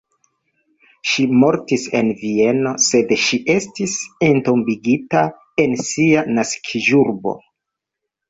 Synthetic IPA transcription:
ʃimo̞ɾtise̞̰nvie̞no̞se̞dʃiʔe̞stisento̞mbiɡita | e̞nsianaskʰiʒuɾbo̰

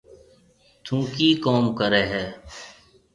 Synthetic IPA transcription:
t̪ʰũːkiːkoːmkəɾeːɦɛː

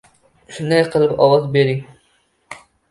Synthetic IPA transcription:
ʃund̪ɛjqʰəlˠɨpɑ̰wɑzbeɾiŋ

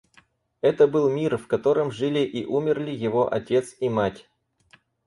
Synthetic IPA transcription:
ɛt̪əbɨlˠmʲirfkɐt̪o̞ɾɨmʐɨlʲɪʔiʔumʲɪrlʲɪjɪvo̞ʔɐ̰tʲe̞t̪simatʲ

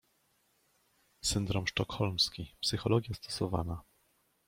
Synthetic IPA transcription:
sɘnd̪ɾɔmʂtɔkxɔlmskʲipsɘxɔlɔɡʲjast̪ɔ̥sɔva̰na

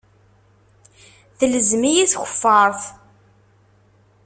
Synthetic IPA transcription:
θələzmijiθçə̥fːəɾˤθ

